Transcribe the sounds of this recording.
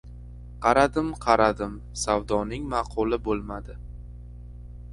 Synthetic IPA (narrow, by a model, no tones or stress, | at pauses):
qʰɑɾad̪ɪmqʰɑɾad̪ɪm | sawd̪ɒnɪŋmɑqʰʊlˠɪbolˠmad̪ɪ